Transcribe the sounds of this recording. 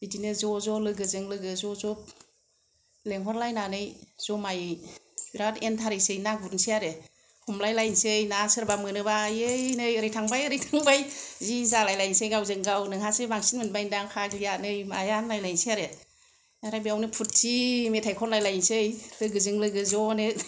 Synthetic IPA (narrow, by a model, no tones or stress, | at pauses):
bidinɯzɔzɔlɯɡɯzɯŋlɯɡɯzɔzɔp̚ | leŋɦʰɔɾlajnanɯjz̥ɔmaj | biɾatentʰaɾɯjsɯjnaɡ̚buɾnsiaɾe | kʰɔmlajlajnsɯjnasɯɾbamɯnɯbajɯjnɯjɯɾɯjtʰaŋbajɯɾɯjtʰaŋbajzizalajlajnsɯjɡawzɯŋɡawnɯŋhasɯbaŋsinmɯnbajndaŋkʰaɡlijanɯjmajanlajlajnsiaɾe | aɾajbiawnɯpʰut̚simetʰajkʰɔnlajlajnsɯjlɯɡɯzɯŋlɯɡɯzɔnɯ